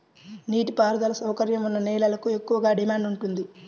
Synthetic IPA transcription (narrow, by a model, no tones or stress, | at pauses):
niːʈipaːɾɐd̪ɐlɐsɐwkɐɾjɐmunːɐnɛːlɐlɐkue̞kːuʋɐɡaːɖimaːɳɖuɳʈund̪i